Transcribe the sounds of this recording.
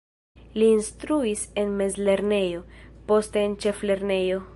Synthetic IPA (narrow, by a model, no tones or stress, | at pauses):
liːnstɾuise̞nme̞zle̞ɾne̞jo̞po̞ste̞ːnt͡ʃe̞fle̞ɾne̞jo̞